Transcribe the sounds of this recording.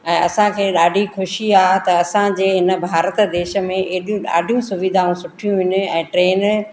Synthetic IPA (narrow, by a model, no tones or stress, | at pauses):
ɛ̃ːɐsãkʰeːɗaːɖʱixʊʃiaːt̪ɐɐsãd͡ʑeːɦɪnə̆bʱaːɾət̪d̪eːʃə̆mẽʔeːɗijũɗa̰ːɖʱijũsʊʋɪd̪ʱaːũsʊʈʰijũɦʊɲʊ̆ɛ̃ːʈɾeːn